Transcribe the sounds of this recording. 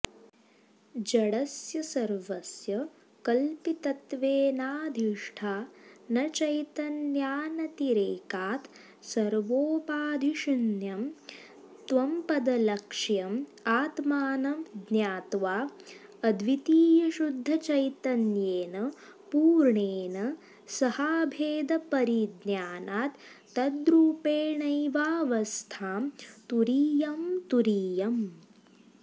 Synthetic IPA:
d͡ʒɐɽɐsjɐsɐɾʋɐsjɐ | kɐlpit̪ɐt̪ʋeːnaːd̪ʱiʂʈʰaːnɐt͡ʃɐjt̪ɐnjaːnɐt̪iɾeːkaːt̪ | sɐɾʋoːpaːd̪ʱiʃinjɐm | t̪ʋɐmpɐd̪ɐlɐkʂjɐmaːt̪maːnɐd̪njaːt̪ʋaːɐd̪ʋit̪iːjɐʃud̪ʱːɐt͡ʃɐjt̪ɐnjeːnɐ | puːɾɳeːnɐ | sɐhaːbʱeːd̪ɐpɐɾid̪njaːnaːt̪ː | ɐd̪ɾuːpeːɳɐjʋaːʋɐst̪ʰaːmt̪uɾiːjɐmt̪uɾiːjɐm

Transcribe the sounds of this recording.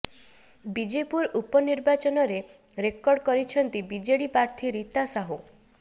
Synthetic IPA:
bid͡ʒepuɾupɔniɾbat͡ʃɔnɔɾeɾekɔɾɖkɔɾit͡ʃʰɔnt̪ibid͡ʒeɽipɾaɾt̪ʰiɾit̪asaɦu

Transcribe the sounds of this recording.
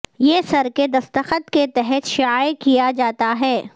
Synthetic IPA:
jeːsɐɾked̪ɐst̪əxət̪ket̪ɛɦɛt̪ʃɪaːjkijad͡ʒaːt̪aɦɛː

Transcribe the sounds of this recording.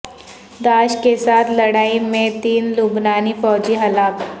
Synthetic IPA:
d̪aɕkesat̪ʰləɽaimẽt̪iːnlubnaniːfɔɦd͡ʑiːɦəlaːk

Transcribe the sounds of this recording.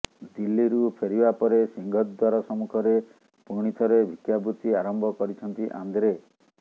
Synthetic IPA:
d̪ilːiɾupʰeɾibapɔɾesiŋɡʱɔt̪̚d̪waɾɔsɔmukʰɔɾe | puɽ̃it̪ʰɔɾebʱikjabut̪iaɾɔmbʱɔkɔɾit͡ʃʰɔnt̪iʔa̰nd̪ɾe

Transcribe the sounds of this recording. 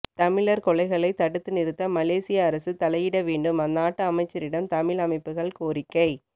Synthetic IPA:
t̪ɐmɪɭɐɾkɔɭɐɪɣɐɭɐɪt̪ɐɽɯt̪ːɯnɪɾɯt̪ːɐmɐleːsɪjɐːɾɐsɯt̪ɐlɐjɪɽɐʋeːɳɖɯmɐnːaːʈːɯɐmɐɪt͡ʃːɐɾɪɽɐmt̪ɐmɪɭɐmɐɪpːɯɣɐɭkoːɾɪkːɐɪ

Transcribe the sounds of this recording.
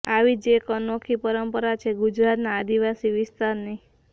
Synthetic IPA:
aʋid͡ʒekənokʰipəɾəmpəɾat͡ʃʰeɡud͡ʒɾat̪naːd̪iʋasiʋɪst̪aɾni

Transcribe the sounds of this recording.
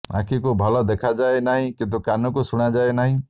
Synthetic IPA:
a̰kʰikubʱɔlɔd̪ekʰad͡ʒaenaɦĩkĩt̪̬ukanɔkusuɽ̃ad͡ʒaenaɦĩ

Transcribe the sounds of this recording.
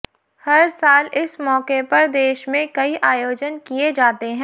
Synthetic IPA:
hɐɾsaːlɪsmɔːkepɐɾd̪eːʃmẽkɐiʔaːjoːd͡ʒənkied͡ʒaːt̪eɦɛ̃ː

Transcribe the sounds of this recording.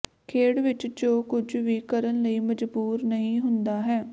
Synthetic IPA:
kʰeːɽʋɪt͡ʃd͡ʒoːkʊd͡ʒʋiːkəɾənləiːməd͡ʒbuːɾnəɦĩːɦʊnd̪aːɦɛː

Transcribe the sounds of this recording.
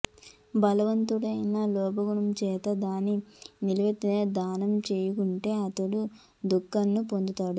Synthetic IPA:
bɐlɐʋɐnt̪uɽɐjnɐlɔːbɐɡuɳɐmt͡ʃɛːt̪ɐd̪aːninilɐʋet̪ːineːd̪aːnɐmt͡ʃeːjukuɳʈe̞ːɐt̪ɐɽu | d̪ukːɐnːupo̞nd̪ut̪aːɽu

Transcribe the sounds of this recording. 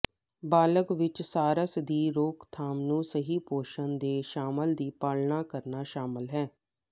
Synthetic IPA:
baːləkʋɪt͡ʃsaːɾəsd̪iːɾoːkt̪ʰaːmnũːsəɦiːpoːʃənd̪eːʃaːməld̪iːpaːlnaːkəɾnaːʃaːməlɦɛː

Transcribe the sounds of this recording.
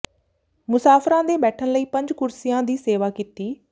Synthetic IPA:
mʊsaːfʰɾãːd̪eːbɛːʈʰənləiːpə̃ɲd͡ʒkʊɾsijãːd̪iːseːʋaːkit̪iː

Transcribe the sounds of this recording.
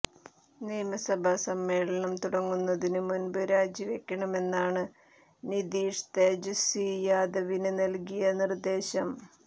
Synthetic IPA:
niːmɐsɐbʱɐsɐmːe̞ːɭɐɳɐmt̪uɽɐŋːunːɐðinɨmunbɨɾaːd͡ʑiʋekʲːɐɳɐme̞nːaːɳɨ | nid̪iːʂt̪ed͡ʑusiːjaːd̪ɐʋinɨnɐlkijɐnird̪e̞ːɕɐm

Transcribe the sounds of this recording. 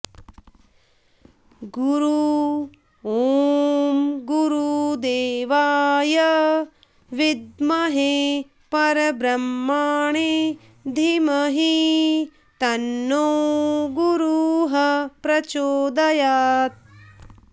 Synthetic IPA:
ɡuɾu | oːmɡuɾud̪eːʋaːjɐ | ʋid̪mɐɦe | pɐɾɐbɾɐmːaːɳe | d̪ʱimɐɦi | t̪ɐnːoːɡuɾuɦɐpɾɐt͡ʃoːd̪ɐjaːt̪̚

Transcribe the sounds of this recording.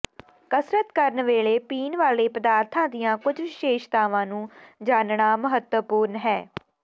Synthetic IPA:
kəsɾət̪kəɾnʋeːɭeːpiːnʋaːleːpəd̪aːɾt̪ʰãːd̪ɪjãːkʊd͡ʒʋɪʃeːʃt̪aːʋãːnũːd͡ʒaːnɳaːməɦət̪wəpuːɾnɦɛː

